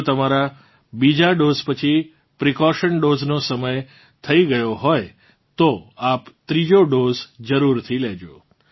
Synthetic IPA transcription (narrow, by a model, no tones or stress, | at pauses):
t̪əmaɾa | bid͡ʒaɖozpət͡ʃʰi | pɾikɔʃənɖoznosəməj | t̪ʰəiɡəjoɦɔj | t̪oapt̪ɾid͡ʒoɖozd͡ʒəɾuɾt̪ʰilɛd͡ʒo